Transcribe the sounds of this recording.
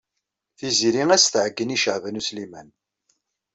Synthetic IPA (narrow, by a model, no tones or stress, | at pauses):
θiziɾiŋæsθʕəɡːəniʃəʕvənuslimæn